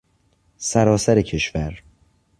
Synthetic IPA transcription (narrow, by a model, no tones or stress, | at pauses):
sæɾɒːsæɾecʰe̞ʃvæɾ